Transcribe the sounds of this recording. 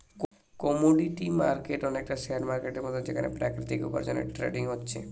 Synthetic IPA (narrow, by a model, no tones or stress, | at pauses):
k | kɔmoɖiʈimaɾkeʈɔnek̚ʈaseaɾmaɾkeʈeɾmɔd̪ʱjɔd͡ʒḛkanḛpɾakɾit̪ikupɔ̰ɾd͡ʒɔnḛʈɾḛɖiŋɦotːt͡ʃʰe